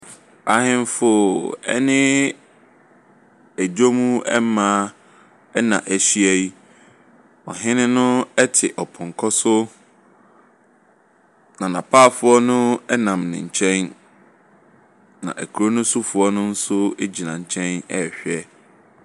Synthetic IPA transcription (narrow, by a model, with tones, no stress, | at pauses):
a˨˦ɦɪ̃˦n˦fʊ˦˨ɛ̰˦nɪ̃˦ | æ˨d͡ʑo˦mũ˦ɛ˦mãː˦ | ɛ˦nã̰˨ʔæ˨ɕi˦æ˦ji˦ | ɔ̰˨ɦɪ̃˦nɪ̃˦nʊ̃˦ɛ˦tʰɪ˨ʔɔ˨pʰʊ̃˨ŋ˨kʰɔ˦sʊ˦ | nã˨nã˨pʰaː˦˨fʊ˦ɔ˦nʊ̃˦ɛ˦nã˨mnɪ̰̃˨ɲ̩˨t͡ɕʰɛ̃˦n | nã̰˨ʔæ̰˨kʰu˨ɾo˦nʊ̃˦sʊ˦fʊ˨ɔ˦nʊ̃˦n̩˦sʊ˦e˦d͡ʑi˨nã˨ɲ̩˨t͡ɕʰɛ̃˦nɛ˨ɕᶣɛ˦